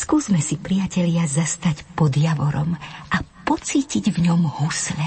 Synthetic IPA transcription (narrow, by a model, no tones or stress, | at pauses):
skuːzmɛsipɾijacɛʎɪazast̪acpɔd̪jaʋɔɾɔmʔapɔt͡siːciɟvɲɔmhuslɛ